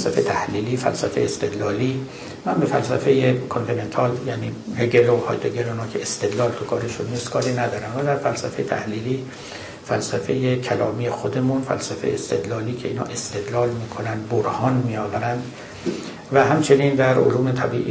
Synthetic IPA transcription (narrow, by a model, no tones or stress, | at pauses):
sæfḛt̪ʰæhliːliːfæ̰lsæfejeːst̪e̞d̪lɒːliː | mænbe̞fælsæfejekʰont̪ʰine̞nt̪ʰɒːljæniːheɡelohɒ̰ːjt̪eɡeloinɒːkʰeest̪e̞d̪lɒːlt̪ʰukʰɒːɾe̞ʃunːiːst̪kʰɒːɾiːnæd̪ɒːɾæmvæd̪æɾfælsæfejet̪ʰæ̰hliːliː | fælsæfejecʰælɒ̰ːmiːjexod̪e̞munfæ̰lsæfejeːst̪e̞d̪lɒːliːcʰe̞ḭːnhɒ̰ːʔe̞st̪e̞d̪lɒːlmiːkʰo̞nænd̪boɾhɒːnmiːjɒːvæɾænd̪ | væɦæmt͡ʃʰe̞nind̪æɾo̰luːme̞t̪ʰæbḭːʔi